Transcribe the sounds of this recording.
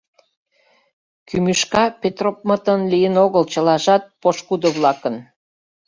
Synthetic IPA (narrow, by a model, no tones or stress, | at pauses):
kymyʃkɑpet̪ropmət̪ənlijənoɣəlt͡ɕəlɑʒɑt̪̚poʃkud̪oβlɑkən